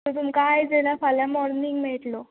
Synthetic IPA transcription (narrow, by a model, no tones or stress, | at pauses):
t̪ot̪umkaːjd͡zelafalamɔɾniŋɡmɛɭt̪lo